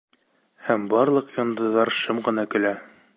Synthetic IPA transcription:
hæmbɑɾlˠɤ̆qjɑnd̪ɤ̆ðɑɾʃɤmʁɤ̆nɑkɵ̆læ

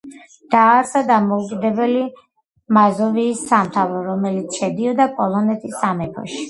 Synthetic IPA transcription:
d̪̥aːɾsad̪amɔukʼid̪ɛbɛli | mazɔviːsːamt̪ʰavɾɔɾɔmɛlit̪sʰʃɛd̪iɔd̪apʼɔlˠɔnɛt̪ʰisːamɛpʰɔ̰ʃi̥

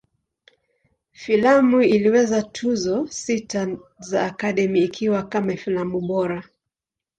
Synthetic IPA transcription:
filamuiliwɛzatʰuzɔsitazaːkaɗɛmiːkʰiwakamafilamuɓɔɾa

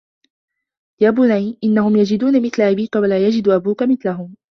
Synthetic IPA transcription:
jaːbʊnaʕiʔɪnːahʊmjad͡ʒɪd̪uːnamɪθlaʔabiːkawalaːjad͡ʒɪd̪ʔabuːkamɪθlaɦʊm

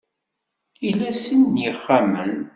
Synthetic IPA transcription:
ilæsinːiχːamən

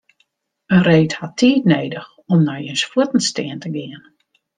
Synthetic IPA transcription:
ənreːthatʰiːtneːdəx | ɔmnajənsfuətən̩stɪəntəɡɪən

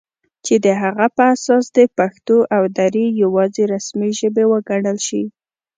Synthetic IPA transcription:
t͡ʃed̪əɦaɣapəasɑsd̪əpaxt̪oʔawd̪aɾijawɑzeɾasmiʒəbewəɡaɽəlʃi

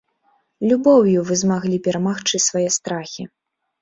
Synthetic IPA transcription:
lʲubɔwjuvɨzmaɣlʲipʲɛɾamaxt͡ʂɨsvajɛst̪ɾaxʲi

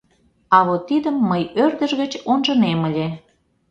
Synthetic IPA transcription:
ɑβot̪ːid̪əmːəjørd̪əʒɣə̆t͡ɕonʒɤ̆nemə̆lʲe

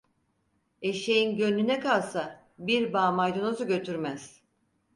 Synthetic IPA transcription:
eʃejinɟø̞nːynɛkalˠsa | biɾbaːmajd̪o̞nozuɟø̞t̪ʰyɾmæz̥

